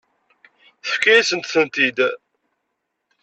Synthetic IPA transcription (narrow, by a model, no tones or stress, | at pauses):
θə̥fkæjæsənt̪θənt̪id̪